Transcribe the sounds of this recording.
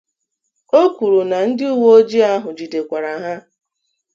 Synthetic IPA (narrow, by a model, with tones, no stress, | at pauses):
o˦kʷu˨ɾu˨na˨n̩˦dɪ˦u˦wo˦o˦d͡ʒi˦a˦ɦʊ˨d͡ʒi˨de˨kʷa˨ɾa˨ɦa˦